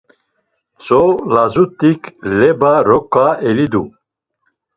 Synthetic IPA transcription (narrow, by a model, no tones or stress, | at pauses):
t͡sɔlazut̪ʼikʰlɛbaɾɔkʼaɛlid̪u